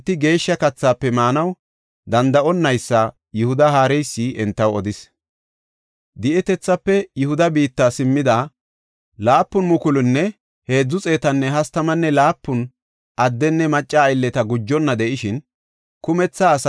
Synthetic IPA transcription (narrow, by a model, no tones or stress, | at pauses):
t̪ːɪɡe̞ːʃːɐkɐt͡sːaːpːɛmaːnɐw | d̪ɐnd̪ɐʔɔnːɐjsːɐ | jʊhʊd̪ɐhaːɾɛjsːiʔɛnt̪ːɐwɔd̪ɪs | d̪ɪʔɛt̪ɛt͡sːɐpːɛjʊhʊd̪ɐbiːt̪ːaːsɪmːɪd̪aː | laːpːʊnmʊkʊlʊnːɛ | he̞ːd͡zːʊt͡sʼe̞ːt̪ɐnːɛɦɐst̪ɐmɐnːɛlaːpːʊn | ʔɐd̪ːɛnːɛmɐt͡ʃʼːɐːjɪlːɛt̪ɐɡʊd͡ʒːɔnːɐd̪ɛʔɪʃɪn | kʊmɛt͡sːaːs